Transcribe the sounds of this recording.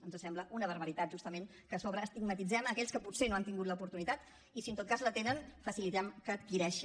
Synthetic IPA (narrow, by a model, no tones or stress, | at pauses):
ənzəsɛmbləʔunəβ̞əɾβəɾit̪at̪̚ʒust̪əmẽn | kəsɔβɾəːst̪iɡmət̪id͡zɛməkɛʎskəput̪senoant̪iŋɡut̪ləupuɾt̪unit̪at̪ | isiənt̪ot̪kazlət̪enənfəsilit̪ɛmkəːt̪̚kiɾɛʃ